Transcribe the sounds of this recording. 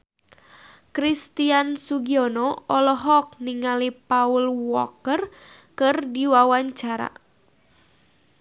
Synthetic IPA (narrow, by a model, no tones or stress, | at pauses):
kɾist̪iansuɡiɔnɔɔlɔɦɔk̚niŋalipaulwɔkər | kɨrdiwawaɲt͡ʃaɾa̰